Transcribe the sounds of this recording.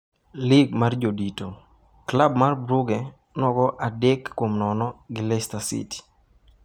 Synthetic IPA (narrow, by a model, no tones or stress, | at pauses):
lɪɡ̚mard͡ʒodito | klabmarbɾuɡɛ | nwɔɡɔʔadɛkːwomnɔnɔɡɪlɛstasḭti̥